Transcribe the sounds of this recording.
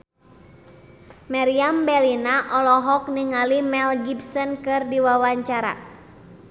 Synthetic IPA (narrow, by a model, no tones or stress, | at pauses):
maɾiambɛlinaʔɔlɔɦɔk̚niŋalimɛlɡibsɔnkɨrdiwawaɲt͡ʃaɾa̰